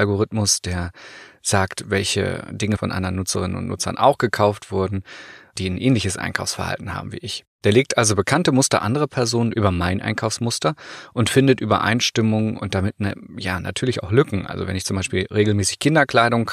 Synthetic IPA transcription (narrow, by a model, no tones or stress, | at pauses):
ʔalɡoʁ̞ɪtmʊsd̥eːɐz̥aːktv̥ɛlçə̰dɪŋəfɔnʔa̰ndɐnːʊt͡səʁ̞ɪnə̰nʊ̰ntnʔʊ̰t͡sɐ̰nʔa̰ʊxɡ̥əkʰaʊftv̥ʊɐdn̩d̥iːnʔɛːnlɪçəsʔa̰ɪnkʰaʊfsfɛɐha̰ltn̩ha̰ːbm̩vḭːʔɪçd̥eːɐleːk̚tʔalzobəkʰantəmʊstɐ̰ʔa̰ndəʁ̞əpʰɛɐzoːnənʔyːbɐmaɪnʔa̰ɪnkʰaʊfsmʊstɐʔʊntfɪndətʔyːbɐ̰ʔa̰ɪnʃtɪmʊŋʔʊ̰nt̚d̥amɪtnjaːnʔa̰tʰyːɐlɪçaʊxlʏkŋ̩ʔa̰lzo̰vɛ̰nɪçt͡sʊmbaɪʃpiːlʁeːɡl̩mɛːsɪ̥çkʰɪndɐkl̥aɪɾʊŋ